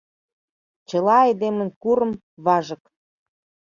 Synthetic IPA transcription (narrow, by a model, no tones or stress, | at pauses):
t͡ɕɤ̆lɑɑjd̪emə̆nkuɾɤ̆m | βɑʒɤ̆k